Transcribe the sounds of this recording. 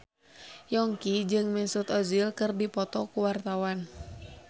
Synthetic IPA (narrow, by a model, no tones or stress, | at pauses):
jɔŋkid͡ʒɨŋmɛsut̪ɔzilkɨrdipɔt̪ɔkuwart̪awan